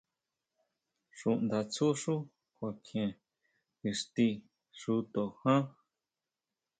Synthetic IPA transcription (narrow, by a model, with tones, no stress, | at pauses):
ʂũ˧nd̪a˧t͡su˦ʂu˦ | kʷa˨kʰẽ˧ | i˧ʂt̪i˧ | ʂu˧t̪o˨hã˦